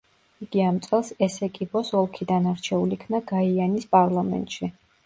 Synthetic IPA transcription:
iɡ̥iamt̪sʼɛlˠsɛsɛkʼibɔsɔlˠkʰid̪anaɾt͡ʃʰɛulikʰnaɡaianispʼaɾlˠamɛ̰nt̪ʼʃi

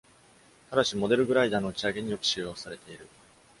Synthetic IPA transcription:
t̪aɾaɕimo̞d̪e̞ɾɯ̟ɡɯ̟ɾaid̪aːno̞t͡ɕiaɡe̞ɲ̟ijo̞ki̥ɕɨːjosaɾe̞t̪e̞iɾɯ̟

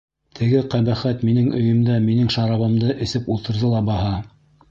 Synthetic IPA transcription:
t̪ʰɘ̆ɡɘqæβæχæt̪minɘŋɵ̆jɘ̆md̪æminɘŋʃɑɾɑβɤ̆md̪ɤʔɘ̆sɘpulˠt̪ɤ̆ɾðɤlˠɑbɑhɑ

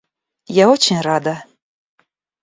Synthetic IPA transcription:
jaɔt͡ɕinʲrad̪ɐ

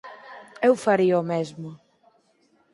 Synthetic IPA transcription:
ewfaɾiɔmezmʊ

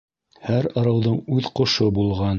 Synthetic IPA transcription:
hæɾɑɾɑwðɤɴʉðqŏʃɤbulˠʁɑn

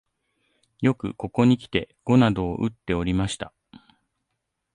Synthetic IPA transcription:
jo̞kɯ̟̰ko̞ko̞ɲ̟ikʲi̥t̪e̞ | ɡ̥o̞nad̪o̞ːʔɯ̟t̪ːe̞o̞ɾʲimaɕi̥t̪a

